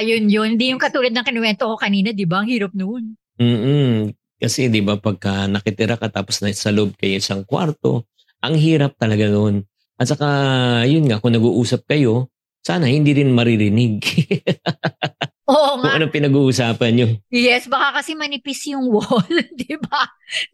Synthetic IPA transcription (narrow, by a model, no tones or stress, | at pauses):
ɐjonjonhɪnd̪ijʊŋkɐt̪uːlɐd̪nɐŋkɪnɪwɛnt̪okokɐniːnɐd̪ɪbaɐŋhiːɾɐp̚non | m̩ː | kɐsɛd̪ɪbapɐɡ̚kɐnɐkɪt̪ɪɾʔakɐt̪aːposnɐsɐloob̚kɐjoʔɪsaŋkwa̰ɾt̪o̞̰ | ʔɐŋɦiːɾɐp̚t̪ɐlɐɡanon | ʔɐt̪̚t͡ʃɐkajʊnŋɐkʊŋnɐɡuːʔuːsɐp̚kɐjo̞ | saːnɐhɪnd̪iːɾɪnmɐɾɪɾɪnɪɡ̚ | ʔoːʔŋʊŋʔɐnoŋpɪnɐɡuːʔuːsaːpɐnɲojɛsbɐkakɐsɛmɐnɪpisjʊŋwond̪ɪba